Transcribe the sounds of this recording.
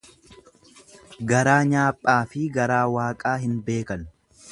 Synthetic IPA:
ɡɐɾaːɲaːpʼːaːfɪɡɐɾaːwaːkʼaːɦɪnbe̞ːkɐn

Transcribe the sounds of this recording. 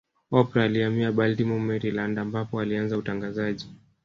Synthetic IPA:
ɔpɾaːliamiaɓaltimɔmɛɾilandaːmbapɔalianzautaŋɡazaʄi

